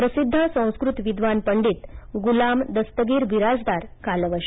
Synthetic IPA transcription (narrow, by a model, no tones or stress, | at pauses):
pɾəsid̪ʱːasə̃w̃skɾut̪ʋid̪ʱʋanpəɳɖiːt̪ɡulamd̪əst̪əɡiɾʋiɾad͡zd̪aɾkalʋəɕ